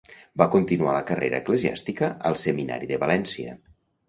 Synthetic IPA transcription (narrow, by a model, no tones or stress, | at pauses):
bakont̪inualəkəreɾə̰ːkləzia̰st̪ikəəlˠsəmina̰ɾiðəβalɛnsiə̰